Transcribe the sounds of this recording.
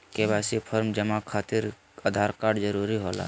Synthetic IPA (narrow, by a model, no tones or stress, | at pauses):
keβasipʰəɾmd͡ʒəmakʰaːt̪iɾ | əd̪ʱaɾkaːɾɖd͡ʒəɾuɾiɦola̰ː